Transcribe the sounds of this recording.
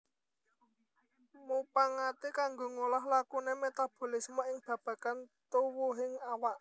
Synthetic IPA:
mupaŋat̪ikaŋɡoŋolaɦlakunemet̪ab̥o̤lismoɪŋb̥ä̤b̥a̤kant̪uwuɦɪŋawaʔ

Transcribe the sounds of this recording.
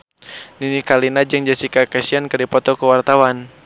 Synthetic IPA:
ninikalinad͡ʒɨŋd͡ʒasikakɛsiankɨrdipɔt̪ɔkuwart̪awan

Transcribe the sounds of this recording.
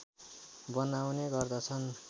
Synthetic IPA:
bʌnawneɡʌrd̪ʌt͡sʰʌn

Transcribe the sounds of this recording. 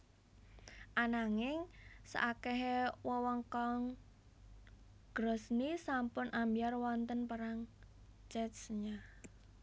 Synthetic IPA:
ʔanaŋɪŋsa̰ʔakɛɦwɔwɔŋkɔŋ | ɡ̥ɾɔ̤snisampʊnambiarwɔnt̪ənpaɾaŋ | t͡ʃɛt̪sɲa

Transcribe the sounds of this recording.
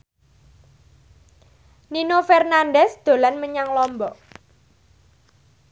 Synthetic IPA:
ninofɛrnanɖɛsd̪̥o̤lanməɲaŋlɔmbɔ

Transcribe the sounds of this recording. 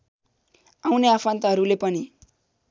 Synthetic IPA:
awneapʰant̪aɦʌɾulepʌni

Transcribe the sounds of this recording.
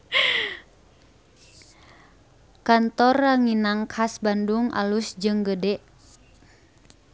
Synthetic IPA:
kant̪ɔraŋinaŋkʰasbanduŋʔa̰lusd͡ʒɨŋɡədɛʔ

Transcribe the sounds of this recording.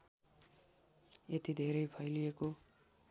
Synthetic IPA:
et̪id̪ʱeɾʌjpʰʌjlijeko

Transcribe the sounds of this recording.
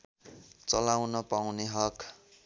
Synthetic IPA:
t͡sʌlawnʌpawneɦʌk

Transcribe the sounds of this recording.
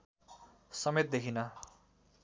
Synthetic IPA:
sʌmet̪̚d̪ekʰinʌ

